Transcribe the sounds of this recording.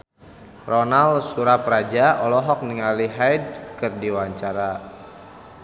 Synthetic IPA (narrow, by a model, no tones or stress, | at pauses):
rɔnalsuɾap̚rad͡ʒaɔlɔɦɔk̚niŋaliɦajd̚kɨrdiwaɲt͡ʃaɾa